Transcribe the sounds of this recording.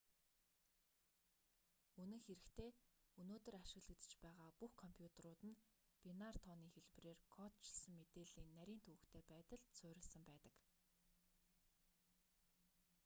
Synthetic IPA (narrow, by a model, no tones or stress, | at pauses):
ɵnɘ̆ŋxeɾɘ̆kt̪ʰeːɵnoːt̪ɵ̆raʃɪ̆ɣɮɘ̆t̪ɘ̥̆t͡ɕpæːʁaːpuxkʰɔmpʰjut̪ʰeɾʊːt̪ɘ̆npʲinart̪ʰɔniːxeɮp̆reːrkʰɔt̪̚t͡ɕʰɪɮsə̆ŋmet̪eːɮiːnnæɾʲiːnt̪ʰɵɣɘ̆kt̪ʰeːpæːt̪ə̆ɮsʊːɾʲɪ̆ɮsə̆mpæːt̪ə̥̆k